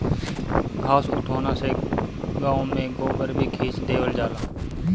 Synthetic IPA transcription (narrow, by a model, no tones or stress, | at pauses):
kʰaːsʊʈ̪ʰoːnaːseɡãːõmẽɡoːbəɾbʱiːkʰeːt͡ʃd̪eːʋəld͡ʒaːlãː